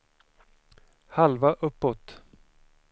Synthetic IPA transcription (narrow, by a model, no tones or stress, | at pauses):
halvaʔɵpːɔt̪